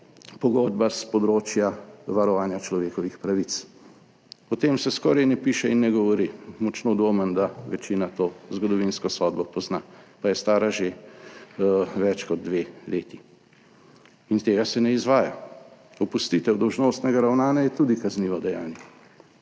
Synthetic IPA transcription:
pɔɡɔːd̪̚baspɔd̪ɾoːt͡ʃjaʋaɾɔʋaːnjat͡ʃlɔʋeːkɔʋixpɾaʋit̪s | ɔt̪emsɛskɔɾajnɛpiːʃɛinːɛɡɔʋɔɾimɔt͡ʃnod̪ʋoːmənd̪aʋɛt͡ʃiːnat̪oːzɡɔd̪ɔʋinskɔsɔːd̪bɔpɔznapajɛst̪aːɾaʒe | ʋɛt͡ʃkɔd̪̚ːʋeːleːt̪i | int̪eːɡasɛnɛizʋaːja̰ | ɔpust̪iːt̪ɛwd̪ɔwʒnoːst̪nɛɡaɾawnaːnjajɛt̪uːd̪ikazniːʋɔd̪ɛjaːnjɛ

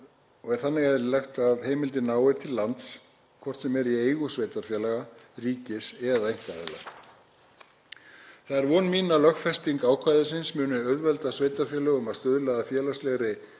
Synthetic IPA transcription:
ɔɣɛɾ̥θanːɪɣɛðɾɪlɛxt̪aðheːjmɪlt̪ɪnaːwɪt̪ʰɪllːant̪s | kʰvɔr̥t̪sɛmɛɾiejɣʏsveːjt̪afjɛːlaɣariːcɪsɛðaejŋ̥kaðɛ̰la̰ɣ | θaðɛɾvɔːnmiːnalœxfɛst̪iŋkaːwkʰvajðʏsɪnsmʏːnʏœɥðvɛlt̪asveːjt̪aɾfjɛːlɛɣʏmaðst̪œðlɛðafjɛːlast̪lɛɣɾɪ

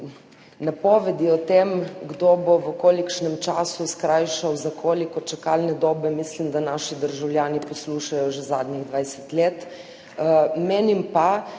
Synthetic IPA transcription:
napɔːʋɛd̪iɔt̪emɡd̪obɔʋəkoːlikʃnɛmt͡ʃaːsuskɾajʃawzakʰoːlikɔt͡ʃakalnɛd̪ɔːbɛmislimd̪anaʃid̪əɾʒawljaːnipɔsluʃajɔʒɛzaːd̪niɣd̪ʋajsɛt̪leːt̪ | mɛːnimpa

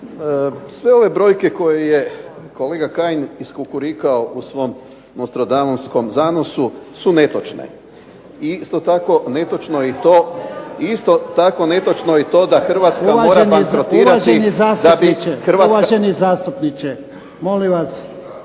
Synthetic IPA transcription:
sʋe̞o̞ʋe̞bɾo̞jke̞ko̞jeje̞koleːɡakaːjniskukuɾikao̞ʔusʋo̞m | nost̪ɾod̪anonsko̞mzaːno̞susune̞t̪ot͡ʃnḛ | iist̪ot̪ako̞ne̞t̪ot͡ʃnoit̪oːist̪ot̪ako̞ne̞t̪ot͡ʃnoit̪o̞ːd̪axr̩ʋat̪samaoːɾanbaipɾɾot̪iːaʒenizaːstd̪abiit͡ʃexr̩ʋaʋaʒenizaːst̪upnit͡ʃe | moliʋas

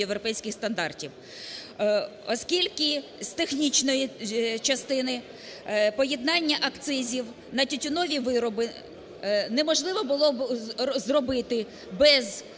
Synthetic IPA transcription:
ewɾɔpɛjsʲkɪxst̪ɐnd̪ɑrtʲiw | ɔskʲilʲkɪst̪exnʲit͡ʃnɔjit͡ʃɐst̪ɪnɪ | pɔjɛd̪̚nɑnʲːɐʔɐkt̪sɪzʲiw | nɐtʲʊtʲʊnɔʋʲiʋɪɾɔbɪ | nɛmɔʒlˠɪʋɔbʊlˠɔbzrɔbɪt̪ɪ | bɛz

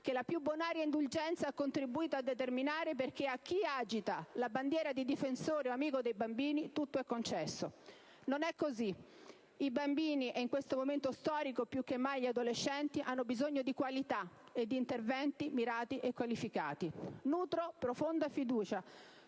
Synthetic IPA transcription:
k̟elapjubːonaːɾjaind̪uld͡ʒɛnt̪saakːont̪ɾibuiːt̪oad̪ːet̪erminaːɾep̬erk̟eak̟ːiaːd͡ʒit̪alaband̪jɛːɾad̪id̪ifensoːɾeoamiːkod̪ejbambiːnit̪ut̪ːoɛkːont͡ʃɛsːo | nonɛkːozi | ibambiːniʔeiŋkwest̪omoment̪ost̪ɔːɾikopjukːemːajʎiad̪olet͡ʃːɛnt̪iʔanːobizoɲːod̪ikwalit̪aed̪ːiːnt̪ervɛnt̪imiɾaːt̪iʔekːwalifika̰ːt̪inuːt̪ɾopɾofond̪afid̪uːt͡ʃa

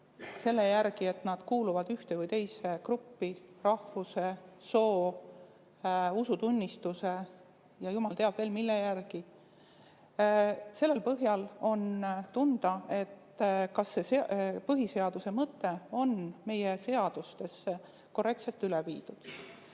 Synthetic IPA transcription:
se̞lːe̞jæɾɡ̥ie̞t̪ˑnɑd̪̥kuːluvɑd̪̥yht̪evujt̪e̞jse̞krupːirɑhfuse̞so̞ː | usut̪unʲːist̪use̞ | jɑjumɑlt̪eɑb̥ve̞ːlmilːejærɡ̥i | se̞lːe̞lpɤɦjɑlo̞nt̪und̪̥ɑe̞t̪ː | kɑsːe̞sepɤɦise̞ɑd̪̥use̞mɤt̪ːe̞o̞nme̞jese̞ɑd̪̥ust̪e̞sːe | ko̞rːe̞k̚t̪se̞lt̪ːˑylevḭːd̪̥ud̪̥

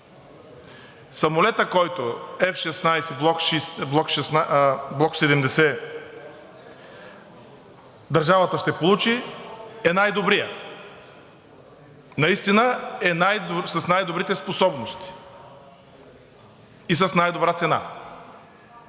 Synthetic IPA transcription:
sɐmolɛt̪əkɔjt̪oɛfʃɛsnajsɛbˠɔkʃisblˠɔkʃɛsnblˠɔksɛd̪ɛmd̪ɛsɛ | d̪ɐɾʒavət̪əʃt̪ɛpolˠut͡ʃiɛnajd̪obɾijə | nɐist̪inəɛnajsəsnajd̪obɾit̪ɛsposɔbnost̪i̥ | is̬əsnajd̪obɾat̪sɛna̰

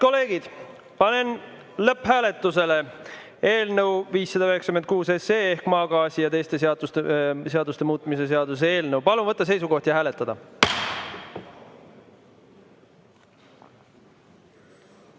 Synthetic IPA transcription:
ko̞lːe̞ːɡid̪̥ | pɑne̞n | lɤpːhæːle̞t̪ːˑuse̞le̞ | e̞ːlnəwviːsːɑd̪̥ɑøɦeksɑkymenkuːseseːehkmɑːɡɑːsijɑt̪e̞jst̪e̞seɑd̪̥ust̪eseɑd̪ust̪e̞muːt̪ːˑmis̬e̞se̞ɑd̪us̬ee̞ːlnəwpɑlunvɤt̪ˑːɑse̞jsuko̞ht̪jɑɦæːle̞t̪ːˑɑd̪̥ɑ

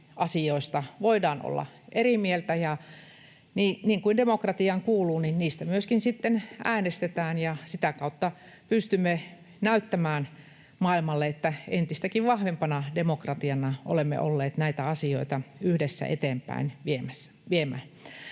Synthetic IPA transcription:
ɑsioist̪ɑʋoidɑːno̰lːɑ̰ʔerimielt̪æjɑ | niːniːŋkuindemokrɑt̪iɑŋkuːluːninniːst̪æmyøskinsit̪ːenʔæːnest̪et̪æːnjɑsit̪ækɑut̪ːɑ | pyst̪ymːe | næyt̪ːæmæːn | mɑilmɑlːeet̪ːæent̪ist̪ækiʋʋɑhʋempɑnɑdemokrɑt̪iɑnɑʔo̰lemːḛʔo̰lːeːt̪næit̪æɑsio̰it̪ɑyhdesːæ̰ʔḛt̪eːmpæ̰inʋiemæsːæ̥ʋiemæ̰n

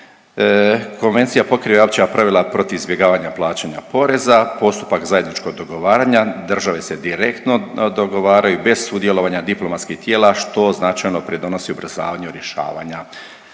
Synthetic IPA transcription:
ko̞nʋe̞nt̪sijapo̞kɾiʋeopt͡ɕijapɾaʋilapɾo̞t̪iʋizbje̞ɡaːʋaɲaplˠaːt͡ɕaɲa̰po̞ɾe̞zapo̞st̪u̥pakzaje̞d̪nit͡ʃko̞ɡ̚d̪o̞ɡo̞ʋaːɾaɲad̪rʒaʋe̞se̞d̪iɾe̞kt̪no̞d̪oɡo̞ʋaːɾajube̞z̥sud̪je̞lo̞ʋaɲad̪iplˠomat̪skiht̪je̞ːlˠaʃt̪o̞znat͡ʃajno̞pɾid̪o̞no̞siubr̩za̰ːʋaɲeɾje̞ʃa̰ːʋa̰ɲa

